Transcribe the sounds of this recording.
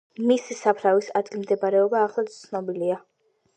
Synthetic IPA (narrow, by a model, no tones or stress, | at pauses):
misisapʰɾavisad̪ɡilmd̪ɛbaɾɛɔbaːχlˠat̪t̪sʰnɔbilia